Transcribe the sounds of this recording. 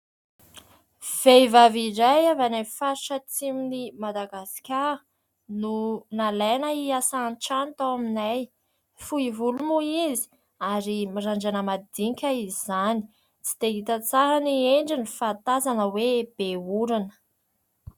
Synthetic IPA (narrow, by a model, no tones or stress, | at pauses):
v̥ejvaviɾajavanafaʃat͡siminimad̪aɡasi̥kʲa | nunalanəiasanʈ͡ʂant̪awaminaj | fuivulumuizi̥ | aɾimaɾaɳd͡ʒanəmad̪iɲkʲaizizani̥ | t͡si̥d̪eɦit̪ət͡saɦanieɳɖ͡ʐinifat̪azanəweb̥euɾanə̥